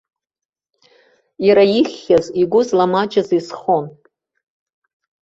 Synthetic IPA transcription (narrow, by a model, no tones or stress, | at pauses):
jaɾajiχʲːaziɡʷʊzlamad͡ʒazisχon